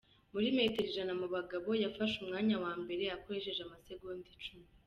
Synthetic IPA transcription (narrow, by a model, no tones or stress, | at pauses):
muɾime̞ːte̞ɾiʒanamuβaɡaβo̞jafaʃumŋaːɲawaːmbe̞ɾe̞akoɾeʃe̞ʒamaseɡondit͡ʃumi